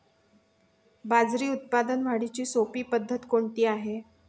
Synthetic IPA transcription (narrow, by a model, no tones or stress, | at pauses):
bad͡zɾiːut̪̚pad̪ənʋ̤aɽit͡ɕiːsopiːpəd̪ʱːət̪koɳʈiːaɦe